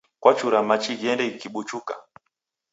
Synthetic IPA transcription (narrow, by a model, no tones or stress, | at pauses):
kwat͡ʃuɾamat͡ʃiɡiɛndɛikiɓut͡ʃuka̰